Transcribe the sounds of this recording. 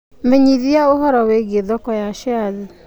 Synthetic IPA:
meɲiðiaoɦɔɾɔweɡeðɔkɔjaʃɪaðɪ

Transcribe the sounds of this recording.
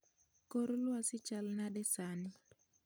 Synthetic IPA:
koɾlwasɪt͡ʃalnadɛsanɪ

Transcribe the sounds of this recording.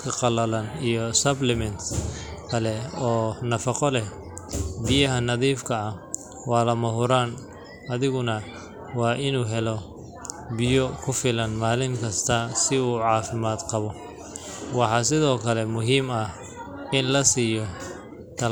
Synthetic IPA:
kʰɐqɑlɐlɐnijɔsɐblɪmɛnt̪kʰɐlɛɔːnɐfɑqɔlɛ | bɪjɐɦɐnɐðiːfkʰɐɐ | wɑːlɐmɐɦʊɾaːn | ɐðɪɣʊnɐ | wɑːʔɪnuːɦɛlɔ | bɪjɔkʰʊfɪlɐnmaːlɪŋkʰɐst̪ʰɐsɪuːʕɑːfɪmaːd̪qɑβɔ | wɑħɑːs̬ɪðɔːkʰɐlɛmʊɦiːmɐh | ɪnlɐsiːjɔ | t̪ʰɐ

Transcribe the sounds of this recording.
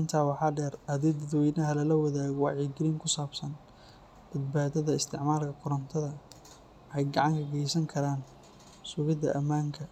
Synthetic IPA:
ɪnt̪ʰaːwɑħɑːɖɛrʔɐðid̪ɐd̪wɛjnɐɦɐlɐlɐwɐðaːɣɔwɑʕiːɡɪlɪŋkʰʊsaːbsɐn | b̥ɐd̪̚baːðɐðɐɪst̪ʰɪʕmaːlkʰɐkʰʊɾɐnt̪ʰɐðɐ | ħɛjɡɑʕɑŋkʰɐɡɛjsɐŋkʰɐɾaːn | sʊɣɪd̪ɐʔɐmaːŋkʰɐ

